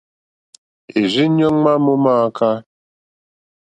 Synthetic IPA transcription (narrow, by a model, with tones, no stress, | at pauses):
e˨zi˦ɲɔ˦ŋ͡ma˦mʊ˦ma˦˨˦kʰa˦